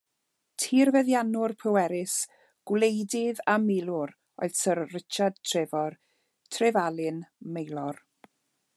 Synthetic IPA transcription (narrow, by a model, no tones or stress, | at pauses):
tʰiːrvɛðjanʊrpʰəwɛɾɪs | ɡ̥wlejdɪðamɪlˠʊɾ | ɔ̰ɨðsərːɪt͡ʃad̚tʰrɪvɔr | tʰrɪvalˠɪnmejlˠɔr